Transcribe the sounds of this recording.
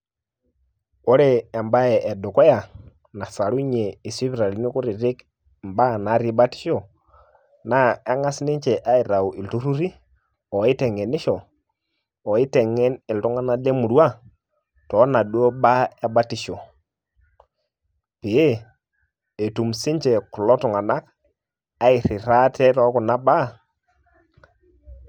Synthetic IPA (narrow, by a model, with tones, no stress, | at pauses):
o˦ɾɛː˦˨mba˦ɛ˨ʔɛ˨du˨kɔ˦ja˨ | na˨sa˨ɾu˦ɲɛ˨i˨si˦vɾa˨li˨˦ni˦ku˦ɾi˨ɾɪ˦k | mba˦˨na˨˦ɾi˦ba˦ti̥˦ʃɔ˨ | na˨˦a˦ŋa˦sni˦ɲt͡ʃɛ˨ʔa˦i˨ɾa˨u˨ʔi˨ltu˦ɾu˦ɾi˦ | ɔ˨i˦tɛ˨ŋɛ˨nɪ˦ʃɔ˨ | ɔ˨i˦tɛ˨ŋɛ˦nɪ˨ltu˦ŋa˦na˦le˦mu˨ɾwa˦ | tɔ˨˦na˨dwo˦ba˦a˦ba˦ti˨ʃo˨ | pi˨e˦ | e˨tu˨msi˦ɲt͡ʃɛ˨kʊ˨lɔ˦tu˨ŋa˨na˦k | a˨˦ɪ˨ɾɪ˨ɾa˦tɛ˦tɔ˦ku˨na˦ba˦